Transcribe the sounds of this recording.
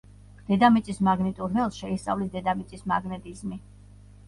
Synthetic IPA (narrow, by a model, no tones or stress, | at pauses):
d̪̥ɛd̪amit̪sʼismaɡnit̪ʼuɾnɛlˠsʃɛist̪sʼa̰vlisd̪ɛd̪amit̪sʼisma̰ɡnɛt̪ʼizmi